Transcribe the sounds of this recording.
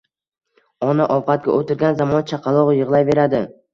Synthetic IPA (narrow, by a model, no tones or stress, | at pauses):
ɒnaʔɒvqʰɑt̪̚ɡʲa̰ʔot̪ɪɾɡʲanzamɒnt͡ʃʰɑqʰɑlˠɒʁjɨʁlˠajve̞ɾad̪ɪ